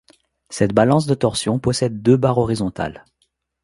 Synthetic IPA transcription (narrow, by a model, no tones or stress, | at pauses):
sɛt̪balɑ̃s̬d̪ət̪ɔʁsjɔ̃pɔsɛd̪ːøbaʁɔʁizɔ̃t̪a̰l